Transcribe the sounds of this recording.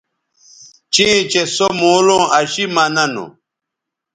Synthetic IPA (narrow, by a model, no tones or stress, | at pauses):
t͡ɕẽːt͡ɕesomoːlõːɐɕimɐnɐno̰